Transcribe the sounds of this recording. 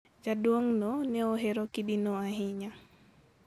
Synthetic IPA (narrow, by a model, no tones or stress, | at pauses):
d͡ʒadwoŋnɔnɛoɦeɾokidinɔaɦɪɲa